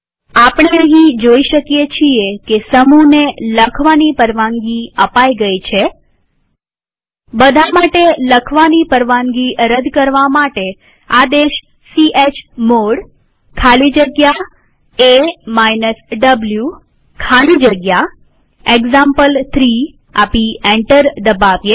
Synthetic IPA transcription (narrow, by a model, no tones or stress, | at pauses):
apɳ̃enəɦĩd͡ʒoiʃəkjet͡ʃʰiekesəmuneləkʰʋanipəɾʋãŋɡiəpaiɡəit͡ʃʰe | bəd̪ʱamaʈeləkʰʋanipəɾʋãŋɡiɾəd̪kəɾʋamaʈe | ad̪eʃ | siʔet͡ʃmoɽ | kʰalid͡ʒəɡja | emajnəsɖəblju | kʰalid͡ʒəɡja | eɡzãmpəlt̪ʰɾi | a̰pieɳʈəɾd̪əbaʋje